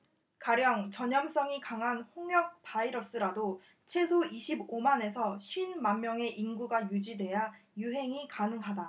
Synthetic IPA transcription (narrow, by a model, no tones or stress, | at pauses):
kaɾjʌŋt͡ɕʌɲʌms͈ʌŋikaŋɦanhoŋjʌk̚paiɾʌs͈ɯɾado | t͡ɕʰe̞sʰoiɕʰibomane̞sʰʌɕʰɥinmanmːjʌŋe̞ʔinɡuɡajud͡ʑidwe̞jajuɦe̞ŋikanɯŋɦada